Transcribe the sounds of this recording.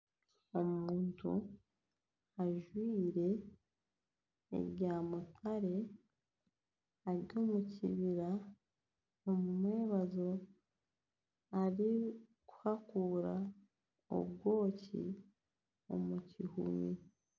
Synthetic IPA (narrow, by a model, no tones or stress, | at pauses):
o̞muːntʰṵ | aʒwiːɾe̞ | ɾɟaːmutʰaɾe̞ | aɾjo̞ːmuciβiɾa | omumweːβazo̞ | aɾi | ku̥hakuːɾa̰ | o̰β̚ɡo̞ːcḭ | o̞̰mucihṵmi